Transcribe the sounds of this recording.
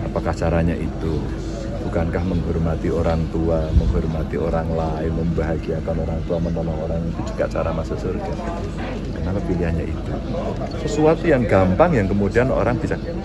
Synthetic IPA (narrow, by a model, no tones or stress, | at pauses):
apakaht͡ʃaɾaɲaʔit̪u | b̥ukankahməŋɦɔrmat̪ioɾaŋt̪uaməŋɦɔrmat̪ioɾaŋlaɪnməmbaɦaɡiakanoɾaŋt̪uamənɔlɔhoɾaŋit̪ud͡ʒə̥ka̰ʔt͡ʃaɾamasasurɡa | kərnakapiliɦanɲa̰ʔḭt̪u | səsuat̪ujaŋɡampaŋjaŋkəmudiano̰ɾaŋb̥it͡ʃak̚